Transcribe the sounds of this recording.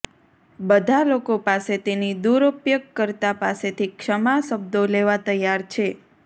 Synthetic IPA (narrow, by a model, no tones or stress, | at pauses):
bəd̪ʱalokopaset̪enid̪uɾəpjəɡ̚kəɾt̪apaset̪ʰikʃəmaʃəb̚d̪oleʋat̪əjaɾt͡ʃʰe